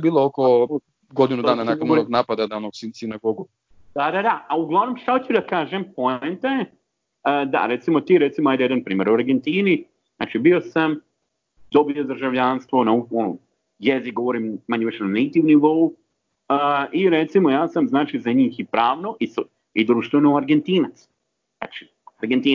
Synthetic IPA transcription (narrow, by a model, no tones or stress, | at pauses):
biːlˠooko | ɡo̞d̪inud̪aːnanakonoɡnaːpad̪ad̪aonoɡsinsinaɡoɡu | d̪̥ad̪ad̪aauɡlˠaʋnomʃaot͡ɕud̪akaːʒempoent̪aje | d̪a̰ɾe̞t̪simo̞t̪iːɾet̪simoajd̪ejed̪anpɾiːme̞ɾuaɾɡe̞nt̪iːni | zna̰ːt͡ʃibio̞sam | d̪̥o̞biod̪ɾ̩ʒaʋʎanst̪ʋo̞nauono | jezikɡooɾiːmmaɲeʋeʃnanejt̪iʋniʋou | iɾet̪simo̞jaːsamznaːt͡ʃizaɲiːxipɾaːʋno̞ʔis | id̪ɾuːʃt̪ʋenouaɾɡent̪iːnat̪s | zna̰ːt͡ʃi̥ | aɾɡent̪iː